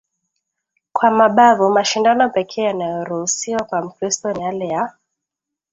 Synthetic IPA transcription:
kwamaɓavumaʃindanɔpɛkʰɛːjanajɔɾuhusiwakwam̩kɾistɔnjalɛja

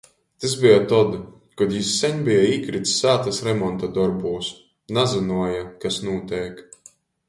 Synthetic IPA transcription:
t̪ɨsbijat̪ɔd̪ | kɔd̪jisːɛɲʲbijaiːkɾit̪sːaːt̪asɾɛmɔnt̪ad̪ɔɾbuːs | nazɨnuɔjakasnuɔt̪ʲɛːk

